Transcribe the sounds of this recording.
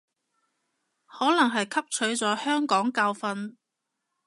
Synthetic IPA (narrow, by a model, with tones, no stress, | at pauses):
hɔː˨˥lɐ˨˩ŋɦɐ˨jkʰɐ˥p̚t͡ʃʰɵ˨˥ɥt͡sɔː˨˥hœː˥ŋkɔː˨˥ŋkaː˧wfɐ˧n